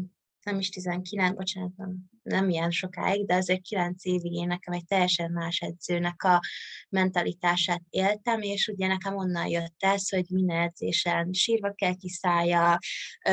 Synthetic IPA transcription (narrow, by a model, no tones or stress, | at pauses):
nɛmiʃt̪izɛŋkilɛnbo̞t͡ʃaːnɒt̪bɛn | nɛmijɛnʃo̞ka̰ːiɡd̪ɛɒzeːrt̪kilɛnt̪seːviɡeːnɛkɛmɛc̚t̪ɛjːɛʃɛmːaːʃɛd̪zøːnɛkɒmɛnt̪ɒlʔit̪aːʃaːt̪̚eːlt̪ɛmeːʃuɟɛnɛkɛmo̞nːɒnjøt̪ːɛsho̞ɟmind̪ɛnɛd̪zḛːʃɛnʃiːrvɒkɛlkisaːjjɒ